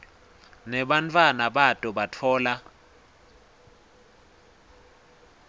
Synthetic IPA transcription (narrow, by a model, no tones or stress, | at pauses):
nɛɓantʰʼwanaɓatʼuɓatʰɔːla